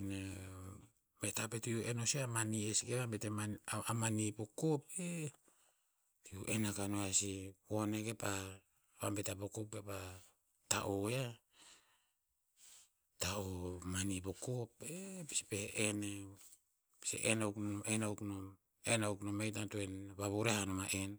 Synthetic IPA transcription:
ne | metapetiuenosiamaniesikeβambeteaamanipokope | tiuʔenakanoasipo̞ne̞ke̞pa | βambetapokop̚kepa | ta̰ʔoja | taomanipokopepi̥speʔene | pi̥sḛʔenawknomenawknom | enawknomejtantoenβaβuɾehanomaʔe̞n

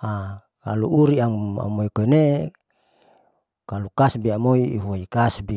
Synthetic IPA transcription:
a | ka̰lṵuɾiaa̰moikone | kalukasbiamoiːɦuaikasbi

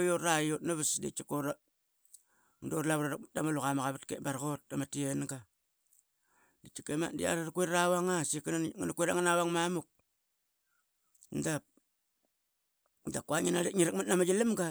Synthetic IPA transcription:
jotajotnaβisdḛt͡ʃakoɾa | ŋdoɾlaβɾadamaluɣamaɣaβatkebaɾɣot̚ːamatienɡa | dit͡ʃikema̰ndḭa̰ɾaɾkueɾɾawaŋasiknaŋnakweɾaŋanawaŋmamuk̚ | ndap̚ | ndakwaŋinaleŋiɾak̚matnamad͡ʒilimɡa

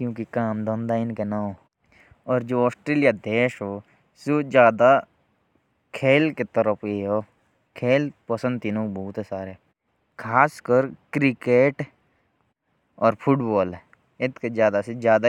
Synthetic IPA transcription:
kjũːkikaːmd̪ɔ̃nd̪aɪnkenaɦoː | ɔːɾd͡ʒoːɔːsʈɾeːlijad̪eːʃɦoː | soːd͡ʒjaːd̪a | kʰeːlket̪əɾəpʰeɦoː | kʰeːlpəsə̃nd̪̚t̪inõːbɔɦʊt̪ɦɛsaːɾeɛ | kʰaːskəɾkɾɪkeːʈ | ɔːɾpʰʊʈbɔːlɛ | ɪt̪ʰked͡ʒjaːd̪ased͡ʒjaːd̪a

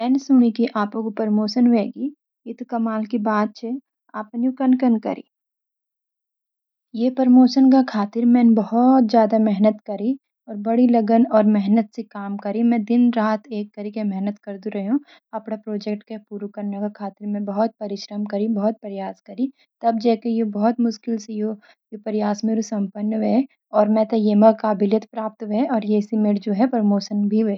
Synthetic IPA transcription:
ɛːnsʊɽ̃ikiʔaːpõkopəɾmoːʃənɦeːɡi | ɪt̪kɐmaːlkibaːt̪̚t͡ʃʰe | a̰ːpnukɐnkənkɐ̰ɾḭː | jeːpəɾmoːʃənk̬akʰaːt̪ɪɾmɛ̃ːnbɐɦɔt̪̚d͡ʒjaːd̪amɛɦnət̪kɐɾi | ɔːɾbɐɽilɐɡənɔːɾmɛɦnət̪sekaːmkɐɾimɛ̃d̪ɪnɾaːt̪ʰeːk̚t̪ɐɾikemɛɦnət̪kɐɾd̪uɾɐɦeɦũ | ɐpɽ̃apɾoːd͡ʒɛk̚ʈkepuːɾukɐɾnekakʰaːt̪ɪɾmẽbɐɦʊt̪̚pɐɾɪʃɾəmkɐɾibɔɦɔt̪̚pɐɾɪjaːskɐɾi | t̪ɐb̚d͡ʒɛːkejebɐɦɔt̪mʊʃkɪlsejo | jepɐɾɪjaːsmeːɾosɐ̃mpənːʋɛː | ɔːɾmɛ̃t̪ejeːmɐkaːbɪljət̪pɾaːp̚t̪ʋɛɔːɾjeːsimeːɾd͡ʒoːɦɛpɾəmoːʃənbʱiʋeː

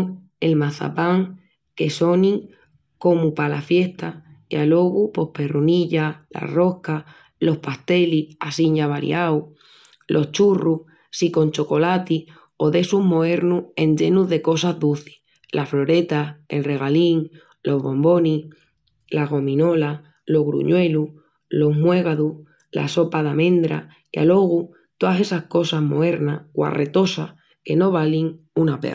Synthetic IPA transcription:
ŋ | e̞lmaθa̰paŋ | ke̞so̞ni | ko̞mupalafje̞ht̪aalo̞ɣupo̞hpe̞runiʎala̰ro̞ka | lo̞hpast̪e̞liasiɲaβ̞aɾj̰aw | lʔo̞ht͡ʃuruh | siko̞nt͡ʃo̞ko̞lat̪i | o̞ðe̞suɦmoe̞ɾnue̞nd͡ʒe̞nuðe̞ko̞sazðuθi̥h | lʔaflo̞ɾe̞t̪ae̞̰lre̞ɣ̞aliŋ | lo̞ɦβo̞mbo̞ni | laɣo̞mĩno̞la | lo̞ɦɣɾṵɲwe̞lu | lo̞ɦmwe̞ɣaðu | la̰so̞paðamẽ̞nd̪ɾa̰ | ia̰lo̞ɣ̞u | t̪oase̞sahko̞saɦmo̞eɾnaɣwa̰ret̪o̞sah | ke̞no̞β̞aliŋunapḛ

